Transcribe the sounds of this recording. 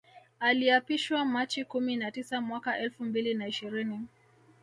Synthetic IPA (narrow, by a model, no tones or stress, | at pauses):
aliapiʃwamat͡ʃikuminatisamwakaʔɛlfumbilinaiʃiɾini